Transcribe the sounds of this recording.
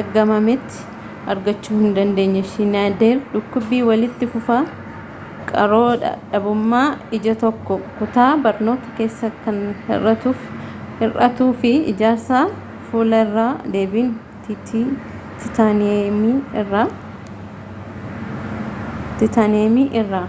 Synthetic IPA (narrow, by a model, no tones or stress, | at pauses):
ɐɡɐmɐmɛt̪ːɪ̥ | ɐɾɡɐt͡ʃːuːhɪnd̪ɐnd̪e̞ːɲːɐʃinaːd̪eːɾᶑʊkːʊbːiːwɐlɪt̪ːɪfʊfa | kʼɐɾo̞ːᶑɐ̰ᶑɐbʊmːaːɪd͡ʒɐt̪ɔkːɔkʊt̪aːbɐɾno̞ːt̪ɐ̥ke̞ːsːɐkɐnhɪ̰rɐt̪uːf | hɪrʔɐ̰t̪uːfɪɪ̰d͡ʒaːɾsaː | fuːlɐɪrːaːd̪e̞ːbin | t̪t̪i | t̪ɪt̪anːmirːa | t̪ɪt̪ɐneːmiʔɪrːaː